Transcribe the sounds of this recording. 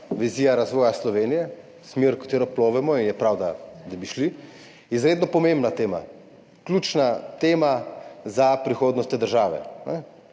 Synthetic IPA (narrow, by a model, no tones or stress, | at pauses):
ʋizijaɾazʋɔːjaslɔʋeːnijɛ | smeɾkḁt̪eːɾɔploːʋɛmɔinjɛpɾawd̪ad̪abiʃli | izɾeːd̪nɔpɔmembnat̪eːma̰ | klʲuːt͡ʃnat̪eːmazapɾixoːd̪nɔst̪eːd̪əɾʒaːʋɛ̰nɛ